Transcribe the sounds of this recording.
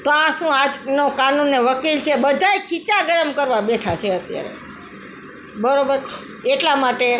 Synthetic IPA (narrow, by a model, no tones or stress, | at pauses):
t̪oãʃũad͡ʒnokanunːeʋəkilt͡ʃʰebəd̪ʱaekʰit͡ʃaɡəɾəmkəɾʋabeʈʰat͡ʃʰeət̪ja̰ɾḛ | bəɾobəɾ | eʈlamaʈe